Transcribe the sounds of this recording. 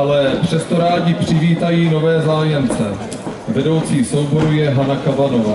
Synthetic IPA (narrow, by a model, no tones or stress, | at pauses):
alɛpr̝̥ɛst̪o̞ɾaːɟɪpr̝̥ɪviːt̪ajiːno̞vɛːzaːjɛmt͡sɛ | vɛdo̞wt͡siːso̞wbo̞ɾujɛɦanakavanovaː